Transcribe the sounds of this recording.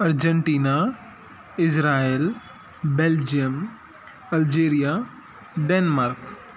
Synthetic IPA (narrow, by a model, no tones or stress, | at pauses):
ɐɾd͡ʒəɳʈiːna | ɪzɾaːil | beːld͡ʒijəm | ɐld͡ʒeːɾija | ɖeːnmaːɾk